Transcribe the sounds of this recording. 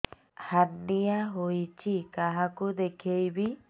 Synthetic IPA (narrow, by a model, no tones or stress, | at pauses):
hanːijaɦojt͡ʃikaɦakud̪ekʰejbi